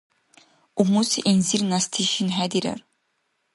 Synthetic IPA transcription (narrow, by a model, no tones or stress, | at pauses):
umusiʔenziɾnast̪ʰiʃinɦæd̪iɾa̰ɾ